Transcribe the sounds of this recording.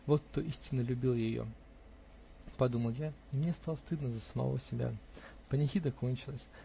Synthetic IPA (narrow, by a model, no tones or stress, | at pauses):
vot̪ːoʔisʲtʲɪnːəlʲʉbʲilˠjɪjo̰ | pɐd̪uməlˠjaimnʲest̪alˠəst̪ɨd̪nəzəsəmɐ̰vo̰sʲɪbʲa̰pənʲɪxʲid̪əko̞nʲt͡ɕɪlˠəsʲ